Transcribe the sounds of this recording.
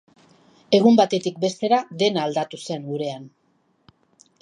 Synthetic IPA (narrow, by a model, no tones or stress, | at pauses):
e̞ɣ̞umbat̪e̞t̪ik̚be̞st̪e̞ɾaðe̞naːld̪at̪use̞ŋɡuɾe̞an